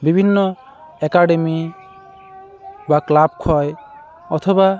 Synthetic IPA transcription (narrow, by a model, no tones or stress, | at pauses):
bibʱinːo | ɛkaɖemi | baklab̚kʰɔj | ɔt̪ʰɔba